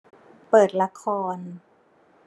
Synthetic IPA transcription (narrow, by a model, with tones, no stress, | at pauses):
pɤː˨˩t̪̚la˧˥kʰɔː˧n